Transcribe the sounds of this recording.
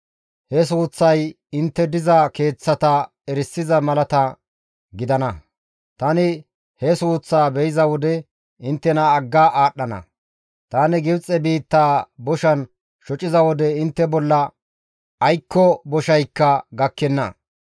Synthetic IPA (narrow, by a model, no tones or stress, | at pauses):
hɛs̬uːt͡sːɐj | ɪnt̪ːɛd̪ɪzɐke̞ːt͡sːɐt̪ɐ | ɛɾɪsːɪzɐmɐlɐt̪ɐ | ɡɪd̪ɐnɐ | t̪ɐnɪ | hɛsuːt͡sːaːbɛjɪzɐwɔd̪ɛ | ɪnt̪ːɛnɐːɡːaːʔaːɗːɐnɐ̰ | t̪aːnɪɡɪbt͡sʼːɛbiːt̪ːaːbɔʃɐn | ʃɔt͡ʃʼɪzɐwɔd̪ɛɪnt̪ːɛbɔlːɐ | ɐjkːɔbɔʃɐjkːɐɡɐkːɛnːɐ̰